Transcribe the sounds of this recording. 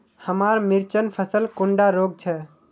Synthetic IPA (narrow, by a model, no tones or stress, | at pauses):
həmaɾmiɾt͡ʃənpʰəsəlkoɳɖaɾoɡ̚t͡ʃʰɛ